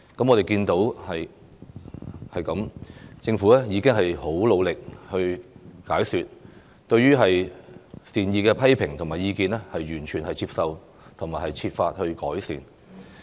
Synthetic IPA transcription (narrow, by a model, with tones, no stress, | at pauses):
kɐ˨˥mɔː˨˧t̪e˨jkiː˧nt̪o˨˥whɐ˨j | hɐ˨jkɐ˨˥mt͡sɪ˧ŋfu˨˥ɛː˥jiː˨˧kɪ˥ŋɦɐ˨jho˨˥wlo˨˧wlɪ˨k̚hɵ˧ɥkaː˨˥jsyː˨t̚ | t̪ɵ˧ɥyː˥ɦɐ˨j | siː˨njiː˧kɛː˧pʰɐ˥jpʰɪ˨˩ŋt̪ʰʊ˨˩ŋmaː˨˩jiː˧kiː˧nɛː˥hɐ˨jːyː˨˩nt͡ʃʰyː˨˩nhɐ˨jt͡sʰiː˧psɐ˨˧w | t̪ʰŋmaː˨˩jhɐ˨jt͡sʰiː˧t̚faː˧t̚hɵ˧ɥkɔː˨˥jsḭː˨˩n